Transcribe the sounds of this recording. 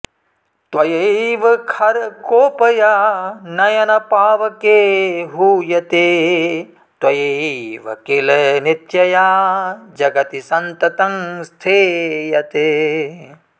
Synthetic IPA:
t̪wɐjeʋɐkʰɐɾkoːpɐjaːnɐjɐnɐpaːʋɐkeːɦuːjɐt̪eː | t̪wɐjeʋɐ̰kilnit̪jɐjaːd͡ʒɐɡɐt̪isɐnt̪ɐt̪ɐŋst̪ʰeːjɐt̪eː

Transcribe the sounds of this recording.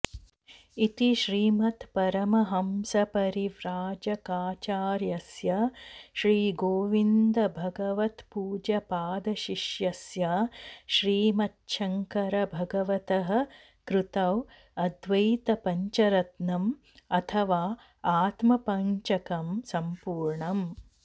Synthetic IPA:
it̪iʃɾiːmɐt̪pɐɾɐmɐɦɐmsɐpɐɾiʋɾaːd͡ʒɐkaːt͡ʃaːɾjɐsjɐʃɾiːɡoːʋind̪ɐbʱɐɡɐʋɐt̪puːd͡ʒɐpaːd̪ɐʃiʃjɐsjaʃɾiːmɐtːʃɐŋkɐɾɐbʱɐɡɐʋɐt̪ɐɦɐ̆ | kɾut̪ɐʋ | ɐd̪ʋɐjt̪ɐpɐɲt͡ʃɐɾɐt̪nɐm | ɐt̪ʰɐʋaː | aːt̪mɐpɐɲt͡ʃɐkɐmsɐmpuːɾɳɐm

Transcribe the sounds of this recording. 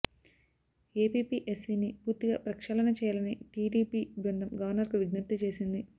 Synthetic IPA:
eːpiːpiːʔesːiːnipuːɾt̪iɡa̰ːpɾɐkʂɐːlɐnɐt͡ʃɛːjɐlɐniʈiːɖiːpiːɡɾɐnd̪ʱɐmɡɐʋɐɾnɐɾkuʋiɡnɐɾt̪ːɐt͡ʃe̞ːsind̪i

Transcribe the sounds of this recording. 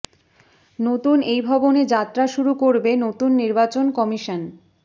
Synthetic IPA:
not̪unejbʱɔboned͡ʑat̪ːɾaʃuɾukoɾbenot̪unːiɾbat͡ɕonkɔmiʃan

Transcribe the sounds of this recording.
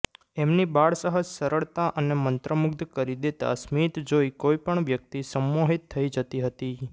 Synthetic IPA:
emnibaɭsəɦəd͡ʒsəɾəɭt̪aʔənemənt̪ɾəmʊkd̪ʱkəɾid̪et̪a̰smit̪d͡ʒoikoipəɳʋjək̚t̪isəmːoɦit̪ʰːəid͡ʒət̪iɦət̪i

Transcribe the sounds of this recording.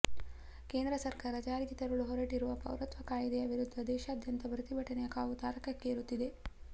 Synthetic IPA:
keːnd̪ɾɐsɐɾkaːɾɐd͡ʒaːɾiɡit̪ɐɾɐɭuɦɔɾɐʈiɾuʋɐpɐ̰wɾɐt̪ʋɐkaːjid̪ɛjɐʋiɾud̪ʱːɐd̪ɛːʃɐːd̪ʱjɐnt̪ɐbɾɐt̪ibʱɐʈːɐnɛjɐkaːʋut̪aːɾɐkɐkːeːɾut̪ːid̪e̞

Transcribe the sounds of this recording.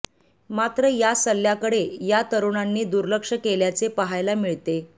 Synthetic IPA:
mat̪ɾəjasəlːjakəɽejat̪əɾuɳ̃anːiːd̪uɾləkʂəkeljat͡sepaɦajlamiɭt̪e

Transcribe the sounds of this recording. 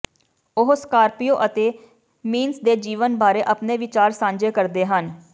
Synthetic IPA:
ʊɦʊskaːɾpijoːʔət̪eː | miːnsd̪eːd͡ʒiːʋənbaːɾeːʔəpneːʋɪt͡ʃaːɾsãːɲd͡ʒeːkəɾd̪eːɦən

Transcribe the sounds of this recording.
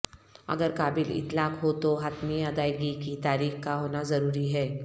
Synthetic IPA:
ɐ̰ɡəɾkaːbɪlɪ̰t̪laːkɦot̪oɦat̪miɐd̪aːɪɡikit̪aːɾiːxkaɦoːnazɐɾuːɾiɦɛː

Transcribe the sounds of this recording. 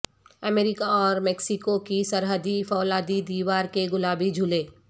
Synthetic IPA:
əmeːɾɪkaɔːɾmɛːksɪkokisɐɾɦəd̪ifɔːlaːd̪id̪iːʋaːɾkeɡʊlaːbid͡ʒʱʊleː

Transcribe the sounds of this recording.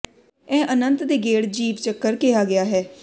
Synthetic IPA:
ɛ̃ːʔənənt̪d̪eːɡeːɽd͡ʒiːʋt͡ʃəkːəɾkɪjaːɡɪjaːɦɛː

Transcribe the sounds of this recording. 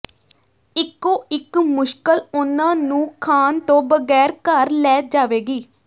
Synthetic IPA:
ɪkːoːɪkmʊʃkəlʊnãːnũːkʰaːnt̪õːbəɡɛːɾkəɾlɛːd͡ʒaːʋeːɡiː

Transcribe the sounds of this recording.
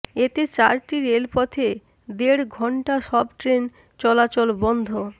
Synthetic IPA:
et̪et͡ɕaɾʈiɾelpɔt̪ʰe | d̪eɾɡʱɔɳʈaʃɔbʈɾen | t͡ɕɔlat͡ɕolbɔnd̪ʱo

